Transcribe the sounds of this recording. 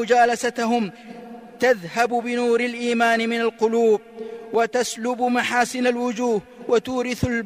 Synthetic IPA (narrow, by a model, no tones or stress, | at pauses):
ʊd͡ʒaːlasat̪aɦʊm | t̪aðhabbɪnuːɾalʔiːmaːnɪmɪnalqʊluːb̚wat̪aslʊbmaħaːsɪnalwʊd͡ʒuːhwat̪uːɾɪθal